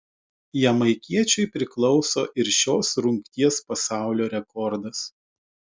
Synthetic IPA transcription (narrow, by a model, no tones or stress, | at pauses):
jɛmɐɪkʲiɛt͡ʃʲɛɪpʲɾʲɪklˠɔʊsoːʔɪɾʃʲoːsɾʊŋʲkt̪ʲiɛspɐsɑˑʊlʲoːɾʲɛkɔɾd̪ɐs